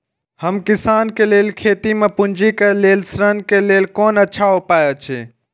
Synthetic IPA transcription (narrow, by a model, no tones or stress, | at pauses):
həmkɪsaːnkeleːlkʰeːt̪imẽpʊ̃ɲd͡ʒikeleːlsɾənkeleːlkoːnətːʃʰaɦopaːjot͡ʃʰḛː